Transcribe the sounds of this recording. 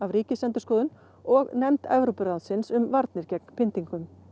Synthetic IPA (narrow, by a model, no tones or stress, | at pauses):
avɾiːcɪsɛnt̪ʏ̥kɔːðʏn | ɔɣnɛmt̪ɛ̰vɾowpʏɾaðsɪnsʏmvaɾt̪nɪɾcɛknpʰɪnt̪iŋkʏm